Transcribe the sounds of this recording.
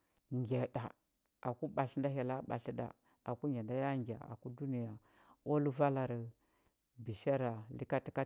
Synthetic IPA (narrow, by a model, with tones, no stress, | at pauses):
ŋɡʲe˨ɗa˨ | ʔa˨ku˦ɓa˨ɬnda˦ɦa˨la˦ɓa̰˨ɬi˦da̰˨ | a˨ku˦ŋɡe˨nda˦ja˦ŋɡʲa̰˨a̰˨ku˦du˦ni˦˨ja˨ | o˦lu˦va˦la˨ɾə˨ | bi˨ʃa˦ɾa˨li˦ka˦ti̥˦ka˦